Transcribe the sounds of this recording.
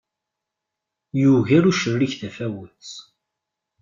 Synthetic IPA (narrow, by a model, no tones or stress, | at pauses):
juʝiɾuʃərːiçθðæfæwət͡s